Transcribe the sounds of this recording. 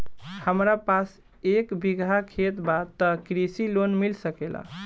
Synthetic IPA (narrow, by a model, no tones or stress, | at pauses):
həmɾapas | ekbiɡʱakʰet̪bat̪əkɾisilonmilsəkela̰